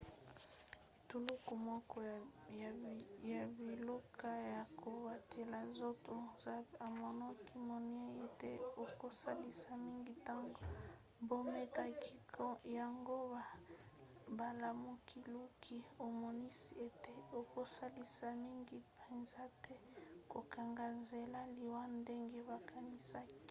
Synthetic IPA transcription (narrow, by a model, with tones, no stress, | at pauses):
e˨tu˨lu˦ko˨mɔ˦kɔ˦˨ | ja˨bi˨lo˦ka˦ja˨kʰo˨ba˨tʰe˨la˨zo˦to˨˦a˨mɔ˨nɔ˦ki˦mo˨n˦e˦e˨te˦o˨ko˦sa˦li˦sa˦mi˦ŋɡi˦ta˦ŋɡo˨ | bo˦me˦ka˨ki˦kja˨ŋɡo˦ba˨ | ba˨la˨mu˦kʰi˦lu˦kʰi˦o˨mɔ˨ni˦si˦e˨te˦o˨ko˦sa˦li˦sa˨mi˦ŋɡi˦pe˨nza˦tɛ˦ko˨ka˨ŋɡa˨nze˨la˦li˨wa˦nde˦ŋɡe˦βa˨kʰa˨ni˦sa˦ki̥˦